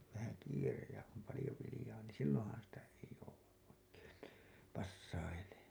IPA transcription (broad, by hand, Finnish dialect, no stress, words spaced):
ʋæhæ kiːrej jɑ om pɑlĭjo ʋilĭjɑː niːn̞ silːõːhɑn sitæ ei jouwɑʔ ʔoikeːn niː pɑsːɑileːn̥